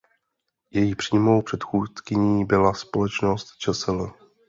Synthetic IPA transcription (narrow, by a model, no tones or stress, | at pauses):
jɛjipr̥iːmo̞wpr̝̥ɛt̪xuːtkɪɲiːbɪlaspolɛt͡ʃnost̪t͡ʃɛsɛlɛ